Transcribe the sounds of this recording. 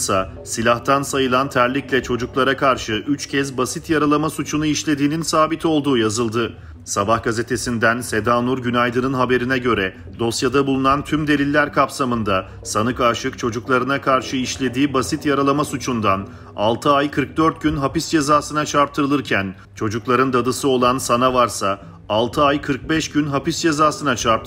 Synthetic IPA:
sa | silʲaht̪ʰansajɯlˠant̪ʰæɾlʲiclʲɛt͡ʃʰo̞d͡ʒuklˠaɾakʰaɾʃɯʔyt͡ʃcʰɛzbasit̪jaɾalˠamasut͡ʃʰunuiʃlʲe̞d̪iːninsaːbit̪ʰo̞lˠd̪uːjazɯlˠd̪ɯ | sabahɡaze̞t̪ʰe̞sind̪ænse̞d̪aːnuɾɟynajd̪ɯnɯnɦabe̞ɾinɛɟø̞ɾɛ | d̪̥o̞sjad̪abulˠunant̪ʰymd̪e̞lʲilʲːæɾkʰapsamɯnd̪a | sanɯkaʃɯkt͡ʃʰo̞d͡ʒuklˠaɾɯnakʰaɾʃɯiʃlʲe̞d̪iːbasit̪jaɾalˠamasut͡ʃʰund̪an | a̰lˠt̪ʰɯajkʰɯɾk̚d̪øɾt̪̚ɟynɦapisd͡ʒe̞zaːsɯnat͡ʃʰaɾp̚t̪ʰɯɾɯlˠɯɾcʰæn | t͡ʃʰo̞d͡ʒuklˠaɾɯnd̪ad̪ɯsɯo̞lˠansanavaɾsaː | lˠt̪ʰɯajkʰɯɾk̚bɛʃɟynɦapisd͡ʒe̞zaːsɯnat͡ʃʰaɾp̚t̪ʰ

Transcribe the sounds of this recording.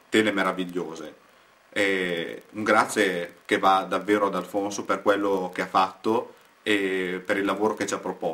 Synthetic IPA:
t̪eːlemeɾaviʎːoːze | ɛuŋɡɾat̪sːjekevad̪avːeːɾoad̪alfonsoperkwelːokeafːat̪ːo | epeɾilːavoːɾoket͡ʃiapːɾopɔ

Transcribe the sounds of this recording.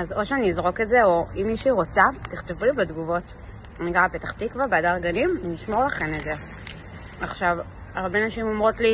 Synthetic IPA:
azo̞ʃeaniːzʁo̞ketze̞o̞imːiʃiʁo̞t͡satiχt̪evibedɡuvo̞t | aniɡaʁapet̪ḁχt̪ikvaʁbeadaʁɡanimniʃmo̞ʁlaχe̞neze̞ | aχʃav | aʁbe̞naʃimo̞mʁo̞tli

